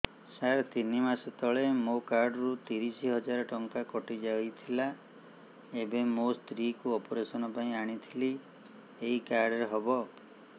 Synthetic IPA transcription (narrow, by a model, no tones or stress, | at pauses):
saɾt̪inimaset̪ɔɭemokaɾɖɔɾut̪iɾisiɦɔd͡ʒaɾɔʈɔŋkakɔʈid͡ʒajt̪ʰila | ebemost̪ɾikuɔpɔɾesɔnɔpaĩaɽ̃it̪ʰili | eikaɾɖɔɾeɦɔbɔ